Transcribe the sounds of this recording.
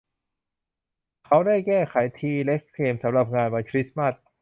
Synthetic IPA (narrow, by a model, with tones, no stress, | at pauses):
kʰa˦˥wda˥˩jkɛː˥˩kʰa˩˦jt̪ʰiː˧le˦˥k̚ʰːeː˧msa˩˦mɾa˨˩p̚ŋaː˧nwa˧nkʰɾi˦˥sma˥˩s̚